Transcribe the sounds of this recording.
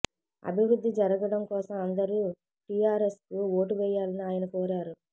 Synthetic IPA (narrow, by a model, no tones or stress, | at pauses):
ɐ̰bʱiʋɾud̪ːid͡ʒɐɾɐɡɐɽɐmkɔːsɐmɐnd̪ɐɾuː | ʈijaːɾeskuo̞ːʈuʋɛjːaːlɐniaːjɐnɐkoːɾaːɾu